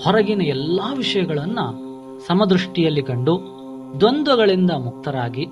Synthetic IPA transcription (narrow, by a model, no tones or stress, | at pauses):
hɔɾɐɡinɐɛlːaːʋiʂɐjɐɡɐɭɐnːu | sɐmɐd̪ɾuʂʈijɐlːikɐɳɖu | d̪ond̪ɐɡɐɭind̪ɐmuk̚t̪ɐɾaːɡi